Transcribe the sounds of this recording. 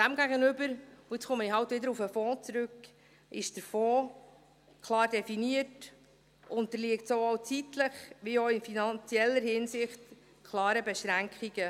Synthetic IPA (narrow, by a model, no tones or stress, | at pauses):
d̥æmɡæɡənʏbəɾuɪt͡sχʊməiɦɑwtʋɪdəɾufəfɔːt͡sɾʉk | ʔɪʃd̥əɾfɔː | kʰlɑːrdɛfiniət | ʔʊntəliəktsoːowt͡sitləχʋioɪnfinɑnt͡siɛlːəɾhɪnsɪχt | kʰlɑːɾəbɛʃɾæŋkχiɡə